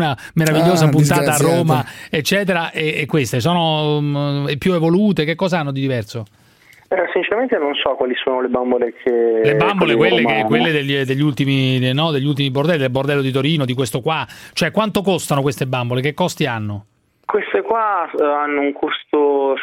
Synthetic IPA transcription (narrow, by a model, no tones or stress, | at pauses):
na | meɾaviʎːoːzapunt̪aːt̪aːrːoːmaet͡ʃːɛːt̪eɾaʔeːkːwest̪esɔːno | pːjuevoluːt̪ek̟ekːɔːzaanːod̪id̪ivɛrso | sint͡ʃɛɾament̪enonsɔkwaːlisoːnolebambolekʰelebambolekwelːekekːwelːed̪ed̪eʎːult̪iminɔd̪eʎːult̪̬imibord̪ɛlːid̪elbord̪ɛlːod̪it̪oɾiːnod̪ikwest̪okwat͡ʃoɛkːwant̪okost̪anokwest̪ebambolekekːɔst̪ianːo | kwest̪ekwaanːouŋkʰust̪o